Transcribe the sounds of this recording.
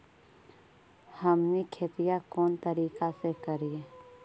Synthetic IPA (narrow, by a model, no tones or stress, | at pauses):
hɐmnikʰeːt̪ijakɔːnt̪ɐɾiːkasekəɾie